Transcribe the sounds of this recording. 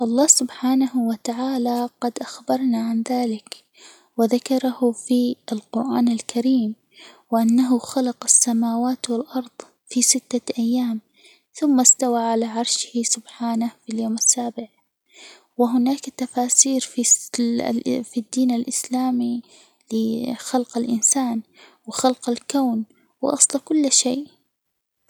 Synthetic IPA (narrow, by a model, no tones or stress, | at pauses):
ʔɑlˤːɑːsʊbħaːnahwɪt̪aʕaːlaqɑd̪ʔaxbɑɾˤnaʕanðaːlɪk | wɪðakɑɾˤɑhʊfiʔalqʊɾʔaːnɪlkʰaɾiːm | wɪʔanːaɦʊxalɑqasːamaːwaːt̪wɪlʔɑɾˤðˤ | fisɪt̪ːaʔajːaːm | θʊmːast̪awaʕalaʕɑɾˤʃɪhisʊbħaːnahfiljoːmɪsːaːbɪʕ | wɪɦʊnaːkt̪ːafaːsiːɾfi | fid̪ːiːnɪlʔɪslaːmi | lɪxalqɪlʔɪnsaːnwɪxalqalkawn | w̰ʔɑ̰sˤlɑkʊlːʃeːʔ